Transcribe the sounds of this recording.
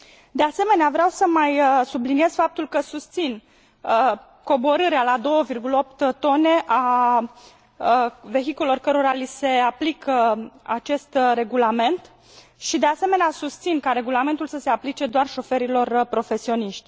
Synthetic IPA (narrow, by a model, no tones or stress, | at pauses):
d̪e̞ase̞me̞neavɾeawsəmajsublinije̞z̥fap̚t̪ulkəsust̪sin | ə | ko̞bo̞ɾɨɾealad̪o̞wəvirɡuləo̞p̚t̪t̪o̞ne̞ʔa | ve̞xikulelo̞rkəɾo̞ɾalise̞aplikəat͡ʃe̞st̪re̞ɡulame̞nt̪ | ʃid̪e̞ase̞me̞neasust̪sinkaɾe̞ɡulame̞nt̪ulsəse̞aplit͡ʃe̞d̪oarʃo̞fe̞ɾilo̞rpɾo̞fe̞sio̞niʃt̪ʲ